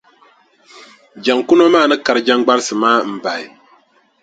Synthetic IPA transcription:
d͡ʒa˨ŋkʊ˦nɔ˦maː˦˨nɨ˦ka˨ɾɨ˨d͡ʒa˦ŋɡ͡ba˦ɾsɨ˨maː˦m̩˨ba˨ɪ˨

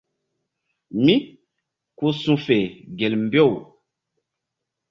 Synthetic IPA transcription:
mi˦ | ko˦sũ˦fe˨ɡe˨lm̩˨bo˦˨w

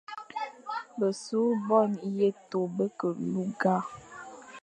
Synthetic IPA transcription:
bə˨su˨˦bɔ˦˨nje˦to˨bə˦kə˨lu˦ɡa˦˨

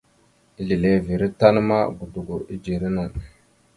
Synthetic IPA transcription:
i˦li˨le˦˨vi˨ɾi˦ta˦n˦ma˦ɡu˨du˨ɡu˨ɾi˦d͡ʒi˨ɾi˦nu˨

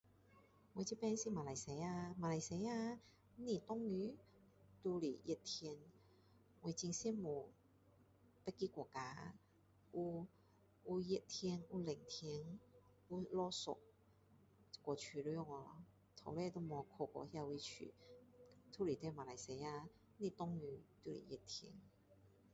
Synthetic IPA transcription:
wɔ˧t͡ɕi˧˥˦pɛ˧˦nsi˧˥˨ma˧la˨˧˩jse˨˧˦ja˧maː˧la˨˧jse˧˦a˧˦ | ni˧˩t̪ɔ˥˦ŋːy˧˦ | t̪u˧li˨˩ji˧˩t̚t̪ʰi˧ə˧n | we˧t͡ɕi˧ŋsi˧˥˨mu˨˩ | pɛ˧˥ki˧˦kɔ˨˩kaː˧˦ | ʔu˧ | u˧je˧t̪ʰi˧ənu˧le˨˩ŋt̪ʰi˧əŋ | u˧lɔ˧so̰˨˩k̚ | kwɔ˨˩t͡ɕʰy˨˩lu˧˦jɔ˧˨ŋɔ˧lɔ̰˧ | t̪ʰo̰˨˩wlɛ˧t̪o˧˦mɔ˨˧˩kʰo˧˩kɔ̰˧˩hja˧wi˧t͡ɕʰy̰˨˩ | t̪ʰu˧˦li˨˩t̪ɛ˧ma˨˧la˨˧jse˧ja˧ | nĩ˧˩t̪ɔ˧˨ŋny˧˦t̪u˧lḭ˨˩jɛ˧˩t̚t̪ʰi˧n

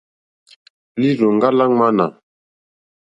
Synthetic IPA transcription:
li˦ɾu˨ŋ˦ɡa˦la˦ŋma˦na˨

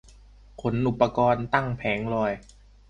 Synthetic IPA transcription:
kʰo˩˦nʔu˨˩pːa˧kɔː˧nt̪a˥˩ŋpʰɛː˩˦ŋlɔː˧˩j

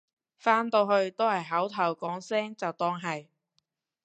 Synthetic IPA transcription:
faː˥nt̪o˧wɦɵ˧ɥt̪o˥whɐ˨˩jɦɐ˨˥wt̪ʰɐ˨˩wkɔː˨˥ŋsɛː˥ŋt͡sɐ˨wt̪ɔː˧˥ŋɦɐ˨j

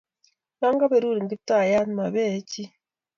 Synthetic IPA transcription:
na˦ŋɡa˦βe˨ɾu˦ɾi˨ŋɡi˦ta˦˨ja˦n˦ma˨βeː˦˨˦ci˦

